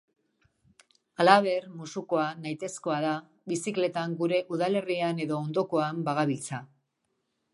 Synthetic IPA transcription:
alaβ̞e̞rmusuko̞anajt̪e̞sko̞aða | βisikle̞t̪aŋɡuɾe̞ʔuðale̞riane̞ðo̞ːnd̪o̞ko̞ambaɣaβilt͡sa

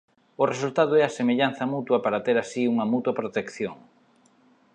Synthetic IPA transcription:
ʊresult̪að̞oɛɐsemeʎan̟θɐmut̪wɐpaɾɐt̪eɾasiuŋɐmut̪wɐpɾot̪ekθjoŋ

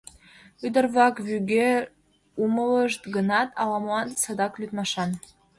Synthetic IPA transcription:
yd̪ə̆rβɑkβyɡe | umələʃt̪ɡənɑt̪ʰɑlɑmoɑnsɑd̪ɑklyt̪mɑʃɑn

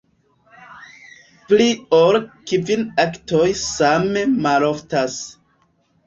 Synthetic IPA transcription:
pliolkivinaktojsamemalo̞ftas

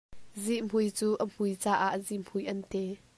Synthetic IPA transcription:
ziʔm̥ujt͡suːʔəm̥ujt͡saːʔaʔziʔm̥ujʔɐnt̪ɛ

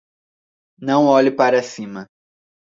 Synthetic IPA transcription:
nɐ̃w̃ɔʎɪpaɾɐsĩmɐ

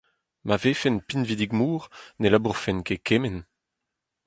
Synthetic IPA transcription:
maveːfɛnpinvid̪iɡmuːʁnelaːbuʁfɛnkekʰemɛn

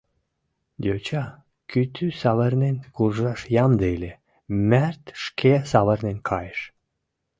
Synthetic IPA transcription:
d̪ʲot͡ɕɑ | kyt̪ʰysɑβəɾnenkurʒɑʃjɑmd̪elʲe | mært̪ʃkʰesɑβəɾnenkʰɑjəʃ

